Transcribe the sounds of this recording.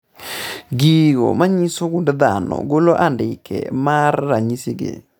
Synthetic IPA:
ɡiɣɔ̰maɲisoɡundd̪anɔ̰ɡoloʔandɪkʰɛ̰marːaɲisiɡḛ

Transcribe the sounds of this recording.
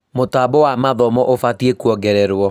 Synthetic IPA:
motaːbɔwamaðɔmɔʔofatiekuɔɡɛɾɛɾwɔ

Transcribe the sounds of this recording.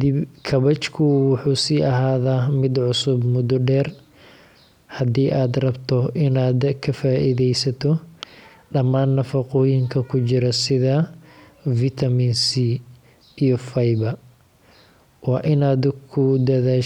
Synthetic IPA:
d̪ɪbkʰɐβɐt͡ʃkʰʊwʊħuːsiːʔɐɦaːðaːmɪd̪ʕʊsʊbmʊd̪ɔɖɛːr | hɐd̪iːʔaːd̪rɐbt̪ʰɔʔɪnaːd̪kʰɐfaːʔiðɛjsɐt̪ʰɔ | ɖɐmaːnːɐfɐqɔːjɪŋkʰɐkʰʊt͡ʃɪɾɐsɪðɐ | fɪt̪ʰɐmiːnsi | ijɔfɐjbɐ | wɑːʔɪnaːd̪kʰʊd̪ɐðaː

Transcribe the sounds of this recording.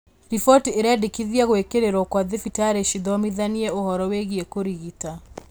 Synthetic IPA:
ɾifɔtieɾadikiðiaɣwekeɾeɾɔkwaðifitaɾeʃiðɔmiðaniɛohɔɾɔweɣiekoɾiɣita

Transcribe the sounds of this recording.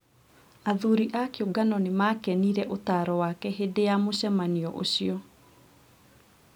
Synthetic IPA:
aðuɾiʔakeoɡanɔnemakɛniɾɛʔotaɾɔwakɛɦedejamoɕɛmaniɔʔo̰ɕiɔ

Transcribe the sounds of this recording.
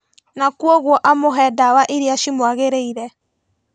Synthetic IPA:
nakwɔɣwɔʔamoɦɛdawaʔiɾeaʃimwaɣeɾeiɾɛ

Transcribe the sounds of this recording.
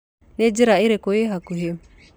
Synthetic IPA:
ned͡ʒiɾaiɾɛkojeɦakuɦe

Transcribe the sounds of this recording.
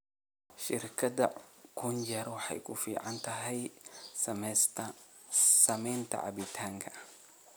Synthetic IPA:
ʃɪɾkʰɐd̪ɐ̰kʰʊnd͡ʒɛɾwɑħɑ̰jkʰʊfiːʕant̪ʰɐɦɛj | ms | sɐmɛjnt̪ʰɐ̰ʕa̰bɪt̪ʰaŋkʰɐ

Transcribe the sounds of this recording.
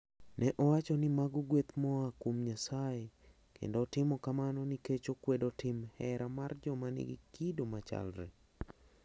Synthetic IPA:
nɛʔɔwat͡ʃɔnɪmaɡuɡwet̪mɔakomɲasae | kḛndoːtɪmɔkamanɔniket͡ʃokwedotɪmhɛɾamard͡ʒɔmanɪ̰ɡɪ̰kidomat͡ʃa̰lɾɛ̰

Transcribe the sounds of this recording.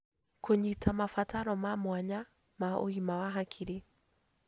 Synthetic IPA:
koɲitʰamafataɾɔmamwaɲa | mao̰himawaɦakʰiɾi

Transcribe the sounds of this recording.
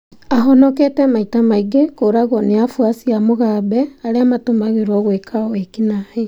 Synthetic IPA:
aɦɔnɔketɛmaitamaiɡekoɾaɣɔneafwasiamoɣabɛaɾeamatomaɣeɾwɔɣwekʰawekinahe

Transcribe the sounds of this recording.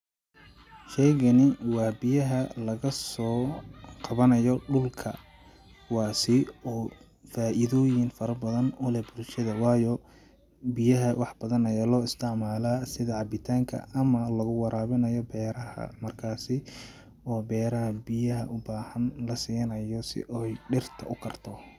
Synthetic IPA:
ʃɛjɣɐnɪwɑːbɪjɐɦɐlɐɣɐsɔːqɑβɐnɐjɔɖʊlkʰɐ̰ | wɑːsɪɔː | faːʔɪðɔːjɪnfɐɾɐbɐðɐnʊlɛbʊlʃɐðɐwɑːjɔ | bɪjɐɦɐwɑħbɐðɐnɐjaːlɔːɪst̪ʰɪʕmaːlaːsɪðɐʕɑbɪt̪ʰaːŋkʰɐ̰ɐmɐlɐɣʊwɑɾʔaːβɪnɐjɔbɛːɾɐhɐ̰mɐrkʰaːsɪ | ɔːbɛːɾɐɦɐbɪjɐɦɐ̰ʔʊbaːhɐnlɐsiːjɐnɐjɔsɪ̰ʔɛjɖɪrt̪ʰɐʔʊkʰɐrt̪ʰɔ

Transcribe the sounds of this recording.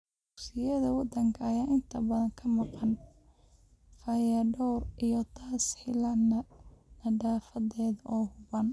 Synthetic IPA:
dʊksɪjɐðɐwɑd̪ɐŋkʰɐɐjaːʔɪnt̪ʰɐbɐðɐŋkʰɐmɑqɑn | fɐjɐɖɔrʔijɔt̪ʰaːsħɪlɐ | nɐɖaːfɐðɛːðɐʔɔːhʊβɐn

